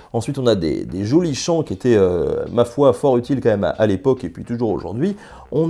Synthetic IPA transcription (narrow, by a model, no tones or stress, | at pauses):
ɑ̃sɥit̪ɔ̃nad̪ḛd̪eʒoliʃɑ̃kʲiet̪ɛømafwafɔʁyt̪ilkɑ̃mɛma̰ʔalepɔkepɥit̪uʒuʁo̰ʒṵʁd̪ɥi | ɔ̃